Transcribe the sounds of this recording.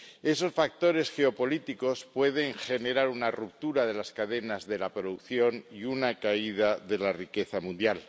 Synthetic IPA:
e̞so̞sfak̚t̪o̞ɾe̞sxeo̞po̞lit̪iko̞spwe̞ð̞e̞ŋxe̞ne̞ɾaɾunarup̚t̪uɾaðe̞laskaðe̞nazðe̞lapɾoðukθjo̞niunakaið̞aðe̞larike̞θamũnd̪jal

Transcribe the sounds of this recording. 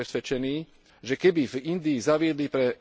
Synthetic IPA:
ɛsʋɛt͡ʃɛniː | ʒɛkɛbivind̪iːzaʋɪɛd̪lipɾɛ

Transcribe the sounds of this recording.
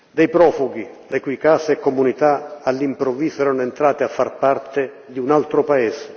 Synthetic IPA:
d̪ɛjpɾɔːfuɡi | lekujkaːseɛkːomunit̪aalːimpɾɔvisoɛɾanʊɛnt̪ɾaːt̪ɪafːarpart̪ɪ | d̪iunalt̪ɾopaɛse̥

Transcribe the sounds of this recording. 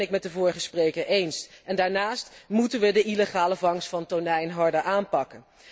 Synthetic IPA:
ɪk̚mɛtdəvʊːɹəχəsprejkəɹʔejnsɛndaːɹnaːstmutənʋədəʔileχaːləvɑŋsfɑntonɛjnɦɑɹdəɹʔaːnpɑkən

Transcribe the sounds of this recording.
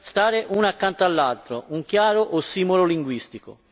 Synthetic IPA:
st̪aːɾɪʔunakːant̪oalːalt̪ɾoʔuŋk̟jaːɾoʔosːiːmololiŋɡwist̪iko̰

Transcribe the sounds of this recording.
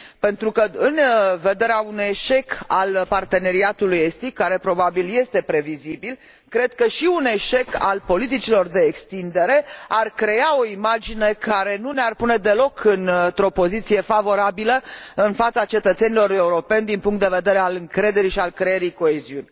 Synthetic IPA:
pe̞nt̪ɾukəɨnve̞d̪e̞ɾeaunujeʃe̞kalpart̪e̞ne̞ɾiat̪ulujest̪ikːaɾe̞pɾo̞babilje̞st̪e̞pɾe̞vizibil | kɾe̞d̪̥̚kəʃiune̞ʃeka̰lpo̞lit̪it͡ʃilo̞rd̪e̞ːkst̪ind̪e̞ɾe̞arkɾe̞ao̞imad͡ʒine̞kaɾe̞nunearpune̞d̪e̞lo̞kʰɨnt̪ɾo̞po̞zit̪sije̞favo̞ɾabiləɨnfat̪sat͡ʃe̞t̪ət̪se̞nilo̞ɾe̞uɾo̞pe̞nʲd̪inpuŋkt̪d̪eve̞d̪e̞ɾealɨŋkɾe̞d̪e̞ɾiʃialkɾejeɾiko̞eziunʲ

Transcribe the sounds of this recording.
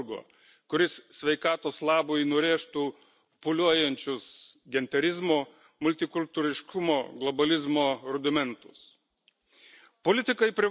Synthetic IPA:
ɡo̰ː | kʊɾʲɪssʲʋʲɛɪkɑːt̪oːslˠɑːboːjnʊɾʲeːʃt̪uː | pʊlʲuɔjɛnʲt͡ʃʲʊsɡʲɛnʲt̪ʲɛɾʲɪzmoː | mʊlʲt̪ʲɪkʊlʲt̪uːɾʲɪʃkʰʊmoːɡlˠɔbɐlʲɪzmoːɾʊd̪ʲɪmʲɛnt̪ʊ̥s | poːlʲɪt̪ʲɪkɐɪpʲɾʲɪ

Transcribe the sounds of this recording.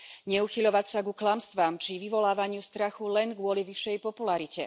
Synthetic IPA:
ɲɛuxiʎɔʋacsaɡuklamst̪ʋaːmt͡ʃiʋiʋɔlaːʋaɲɪust̪ɾaxulɛnɡʋʊɔliʋiʃːɛjpɔpulaɾicɛ

